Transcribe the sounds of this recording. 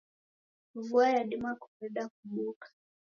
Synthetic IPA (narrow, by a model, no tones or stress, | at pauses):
vuajaɗimakɔɾɛɗakuɓukḁ